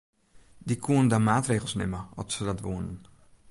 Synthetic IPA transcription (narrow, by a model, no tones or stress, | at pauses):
dikuəndamaːtreːχəl̩ˠsnɪməɔ̰tsədɔtʋuːnən